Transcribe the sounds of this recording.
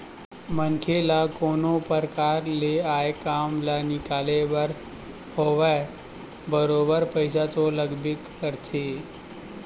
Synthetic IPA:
mənkʰelakonopəɾkaɾleajekamlanɪkaleʋəɾ | hoʋa | bəɾobəɾpəjsat̪oləɡbikːəɾt̪ʰe

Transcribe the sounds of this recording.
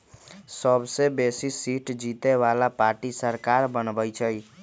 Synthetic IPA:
səbsebesisiʈd͡ʒit̪eβalapaɾʈisəɾkaɾbənbəjt͡ʃʰəj

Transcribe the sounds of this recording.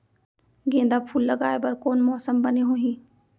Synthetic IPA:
ɡẽːnd̪apʰuːlːɐɡaːebɐɾkoːnmɔːsəmbɐneɦõːɦĩː

